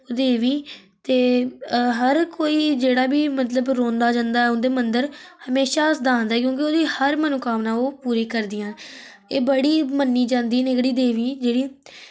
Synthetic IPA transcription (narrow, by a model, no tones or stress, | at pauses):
oːd̪eːʋĩːt̪eːɦəɾkoːiːd͡ʒeːɽaːbiːmət̪ləbɾõːnd̪aːd͡ʒãːnd̪aːɛʊnd̪eːmənd̪əɾhəmeːʃaːsd̪ãːnd̪aɛːk̬jõːk̬ɪoːd̪iːhəɾmənokaːʋnãːoːpuːɾiːkəɾd̪ɪjãː | eːbəɽiːmənːiːd͡ʒãːnd̪iːneːkɽiːd̪eːʋiːd͡ʒeːɽiː